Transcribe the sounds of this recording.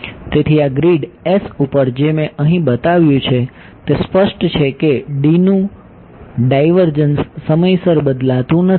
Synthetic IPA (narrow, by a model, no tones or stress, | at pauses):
t̪et̪ʰiaɡɾiɖesupəɾd͡ʒemẽʔəɦĩbət̪aʋjũt͡ʃʰe | t̪espəʃʈt͡ʃʰekeɖinũ | ɖajʋəɾd͡ʒənsːəməjsəɾbəd̪lat̪ũnə